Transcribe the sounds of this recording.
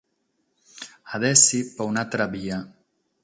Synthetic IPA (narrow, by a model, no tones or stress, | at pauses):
aðɛsipaunat̪ɾaβia